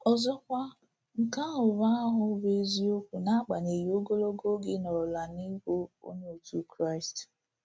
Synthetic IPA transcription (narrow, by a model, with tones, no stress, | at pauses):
ɔ˨zɔ˦kʷa˦ | ŋ̩˨ka˦ɦʊ˨βa˦ɦʊ˨be˦zi˦o˦kʷu˨na˦k͡pa˨ne˨ji˨o˦ɡo˦lo˦ɡo˦ɡɪ˦nɔ˨la˨ni˦ko˦o̰˦ɲe˦o˨tu˦kɾa˦ɪ˨st